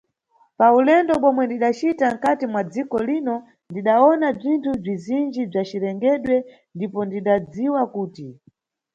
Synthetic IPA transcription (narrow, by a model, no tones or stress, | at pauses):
paulɛndɔɓɔmwɛndiɗat͡ʃitaŋ̩katimwad͡zikɔlinɔ | ndiɗaɔnab͡ʐintʰub͡ʐizind͡ʒib͡ʐat͡ʃiɾɛŋɡɛɗwɛ | ndipɔndiɗad͡ziwakuːti